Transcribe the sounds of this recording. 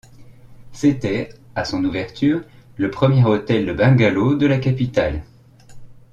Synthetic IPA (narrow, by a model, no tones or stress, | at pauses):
set̪ɛasɔ̃nuvɛʁt̪ʰyːʁləpχəmjɛʁot̪ɛld̪əbɛ̃ɡalod̪əlakapit̪al